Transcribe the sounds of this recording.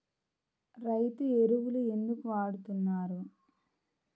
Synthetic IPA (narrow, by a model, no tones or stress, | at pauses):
ɾɐjt̪ueɾuʋulue̞nd̪ukuʋaːɽut̪unːaːɾu